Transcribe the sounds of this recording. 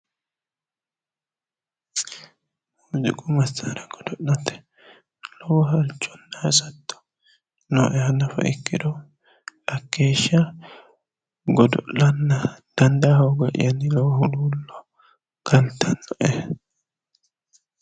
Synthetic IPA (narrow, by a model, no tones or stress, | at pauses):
ʊzɪkʼʊmɐsːaɾɐɡ̥ɔd̪ɔɗɐt̪ːɛ̥ | lɔwɔɦɐlt͡ʃːɔ̥nːɐɐsɐt̪ːɔ̥ | nɔʔɛɐnɐfɐ̰ʔɪkːɪd̪ɔ | ɐkːeːʃːɐ | ɡɔd̪ɔʔɐnːɐd̪̥ɐnd̪ɐhɔwɡɔʔɪ̰jɐnːɪlɔwɔhʊluːlːɔ | kʰɐnt̪ːɐnːɔʔɛ